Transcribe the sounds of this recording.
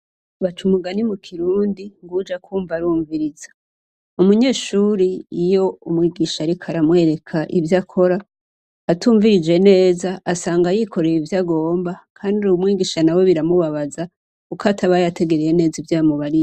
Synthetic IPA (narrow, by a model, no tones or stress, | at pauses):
βat͡ʃumuɡanimukʰiɾuːndiŋɡud͡ʒakʰuːɱvaɾuːɱviɾizḁ | umuɲe̞ːʃuːɾiːjo̞umŋiːɡiʃaɾikʰaɾamwe̞ːɾe̞kʰaʔivjakʰo̞ɾaː | tuːɱviɾid͡ʒe̞ne̞ːzaʔːsaːŋɡajikʰo̞ɾeɾivjaɡo̞ːmbakʰaːndiuwumŋiːɡiʃanawe̞βiɾamuβaβaza | kukʰatʰaβajate̞ɡe̞ɾeje̞ne̞ːzivjaːmuβaɾi